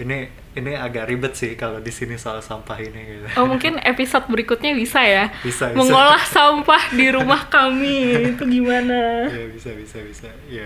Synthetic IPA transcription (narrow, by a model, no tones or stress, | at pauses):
ini | iniaɡaʔɾibət̪̚sɪhkalodisinisalasampahiniɡit̪uomuŋkɪnepisot̪̚bəɾikut̪̚ɲabisajabisabiməŋolahsampahdiɾumahkamit̪uɡimanajabisabisabisa | ja